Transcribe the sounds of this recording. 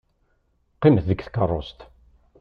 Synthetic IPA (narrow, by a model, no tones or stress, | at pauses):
qːɪməθðəkθkərˤːo̰st̪